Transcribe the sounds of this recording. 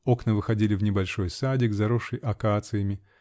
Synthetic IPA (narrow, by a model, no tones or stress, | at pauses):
o̞knəvɨxɐdʲilʲɪvnʲɪbɐlʲʂo̞jsadʲɪɡzɐɾoʂɨjʔɐkat̪sɨjəmʲɪ